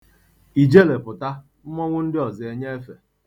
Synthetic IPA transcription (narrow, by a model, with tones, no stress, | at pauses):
i˨d͡ʒe˦le˨pʊ˨ta˦ | m̩˦mɔ˦ŋʷʊ˦n̩˦dɪ˦ɔ˨zɪ˨e˦ɲe˦e˦fe˨